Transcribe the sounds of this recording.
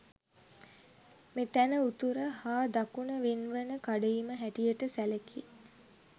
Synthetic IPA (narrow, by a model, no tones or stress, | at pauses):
met̪ænəut̪uɾəhaːd̪akunəʋenʋənəkaɖeiməɦæʈijəʈəsæləki